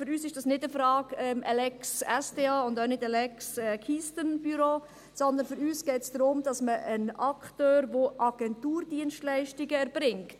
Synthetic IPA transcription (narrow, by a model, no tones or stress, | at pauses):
fʏɾyːsɪʃd̥ɑsnɪdəfɾɑːɡɛːmʔɛlɛksɛsdeːɑʊndœnɪdɛlɛksɛːkʰistənb̥yɾoː | sɔnd̪ənfʏɾyːsɡ̥ɛːtsd̥̪ɾʊmd̥ɑsməʔənɑktøːɾʋoʔɑɡ̥ɛntuːɾdiənʃtlɛɪʃtiɡəɛɾb̥ɾɪŋkt